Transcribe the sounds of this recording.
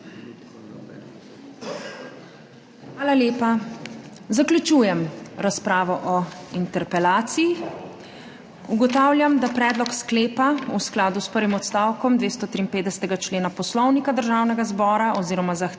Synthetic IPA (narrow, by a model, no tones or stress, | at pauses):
xaːlaljeːpa | zaklʲut͡ʃuːjɛmɾaspɾaːʋɔʔɔint̪ɛɾpɛlaːt̪siji | uɡɔt̪aːwlʲjamd̪apɾɛːd̪lɔkskleːpausklaːd̪uspəɾʋimɔt̪st̪aːwkɔmd̪ʋeːst̪ɔt̪ɾiːmpeːd̪d̪ɛsɛ̥t̪ɛɡat͡ʃleːnapɔslɔwnikad̪əɾʒaːwnɛɡazbɔːɾaʔɔziːɾɔmazax